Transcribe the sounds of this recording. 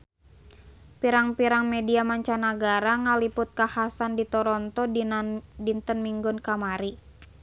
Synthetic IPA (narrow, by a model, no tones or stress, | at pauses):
piɾaŋpiɾaŋmɛdiamaɲt͡ʃanaɡaɾaŋalipʊt̪̚kahasandit̪ɔɾɔnt̪ɔ | dint̪ənmiŋɡʊnkamaɾi